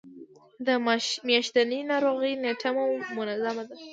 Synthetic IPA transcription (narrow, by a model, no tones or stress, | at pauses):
d̪əmjaʃt̪anənɑɾoɣəjneʈʰamawmʊnazamad̪a